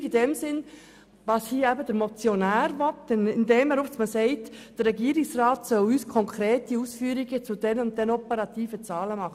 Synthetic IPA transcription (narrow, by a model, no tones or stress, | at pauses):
id̥ɛmsɪn | ʋɑshiːəæbəd̥̪əɾmɔt͡sjɔnæːɾʋɔtːənɪndɛːməɾusməsɛɪtd̥ərːɛɡiəɾɪksrɑːtsœwyːskʰɔŋkʰɾeːtiusfyːəɾiɡət͡sʊd̥̪ɛnʊnt̚ɛnɔpəɾɑt̪iːfət͡sɑːləmɑχə